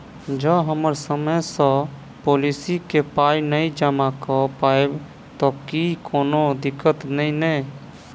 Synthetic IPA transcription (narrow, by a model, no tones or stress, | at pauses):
d͡ʒəɦəməɾsəməjsə̃ | polisikepainəĩd͡ʒəmakɔpaeb | t̪ɔkikoːnod̪ɪkːət̪nəĩnɛ